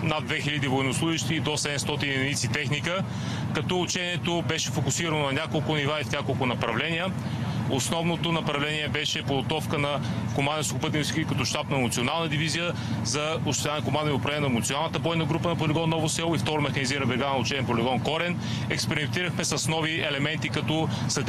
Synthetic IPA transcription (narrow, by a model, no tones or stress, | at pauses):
nad̪̚d̪vɛxilʲɐd̪ivoɛnoslˠuʒiʃt̪iːd̪osɛd̪ɛmst̪ɔt̪ind̪ɛnit̪sit̪ɛxnikə | kɐt̪ɔut͡ʃɛniɛt̪obɛʃɛfokʊsiɾənonɐnʲakolˠkʊnivaifnʲakolˠkʊnɐpɾɐvlɛnijə | osnɔvnot̪onɐpɾɐvlɛniɛbɛʃɛpoɡot̪ɔfkənɐ | komand̪soxopɤt̪ɛnsikikɐt̪ɔʃt̪apnɐmot̪sionalˠnəd̪ivizijə | zɐ | ʊst̪ojankomand̪iopɾɐɛɛnɐɛmʊt̪sʲionalˠnət̪əbɔjnɐɡɾupənɐpoliɡɔnːɔvosɛlˠoift̪ɔɾomɛxɐniziɾɐnbɛɾɡanʊt͡ʃɛniɛpolʲiɡɔnkɔɾɛn | ɛkspɛɾimɛnt̪iɾəxmɛsɐsnɔviɛlɛmɛnt̪ikɐt̪ɔ | sɐt̪